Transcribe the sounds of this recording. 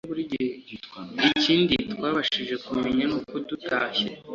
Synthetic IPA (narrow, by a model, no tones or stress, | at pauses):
βuɾiɟi | iciːnditkwaːβaʃiʒe̞kumeɲanuːkudutaːçe